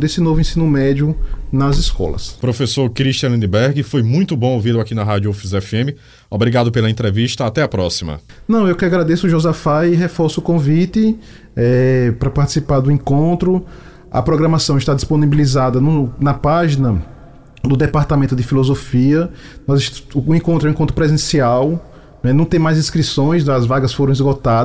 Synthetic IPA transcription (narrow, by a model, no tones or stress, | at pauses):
d̪esɪnovʊẽsĩnʊmɛd͡ʒ̪jʊnɐziskɔ̰lɐ̰spɾofesoɾkɾiʃt̪iɐ̃lĩnd̪ibɛɾɡɪfojmũj̃t̪ʊbõovilʊakinɐɦad̪juofizɛfiẽmɪ | obɾiɡad̪ʊpelɐẽt̪ɾeviʃt̪ɐat̪ɛɐpɾɔsimɐ̰nɐ̃w̃ewkɪaɡɾad̪esʊʒozafaiɦefɔɾsʊːkõvit̪ɪ | ɛpɾɐpaɾt̪i̥sipaɾd̪ʊẽkõt̪ɾʊ | ɐ̰pɾɔɡɾɐ̃masɐ̃w̃ɪʃt̪ad̪isponibilizad̪ɐnʊnɐpaʒinɐ | d̪ʊd̪ɛpaɾt̪ɐmẽnt̪ʊd̪ɪfilozofiɐ | nɔzɪʃːẽkõnt̪ɾɛwẽkõt̪ɾʊpɾezẽsiaw | nɛnɐ̃w̃t̪ẽj̃majzĩskɾisõj̃sɐzvaɡɐsfoɾɐ̃izɡot̪ad